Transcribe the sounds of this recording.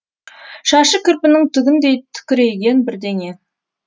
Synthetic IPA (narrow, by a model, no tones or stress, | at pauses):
ʃɑʃəkʲʰɪɾpɪnɪŋt̪ʰʏɡʲɪnd̪e̞jt̪ʰʏ̥kʲɪɾe̞jɡʲe̞nbɪɾd̪e̞ŋe̞